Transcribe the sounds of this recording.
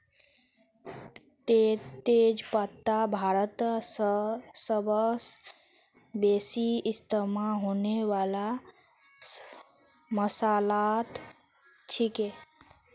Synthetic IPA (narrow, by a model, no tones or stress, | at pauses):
et̪ed͡ʒpət̪ːabʱaɾət̪ssəbəs | besiist̪əmaɦoneʋala | məsalat̪ | t͡ʃʰike